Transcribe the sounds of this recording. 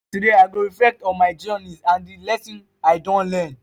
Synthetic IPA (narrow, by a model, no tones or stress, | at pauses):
tudeaɪɡoɹiflɛk̚tɔ̃nmaɪd͡ʒɔnisãndilɛsĩn | aɪdɔ̃nlɛ̃n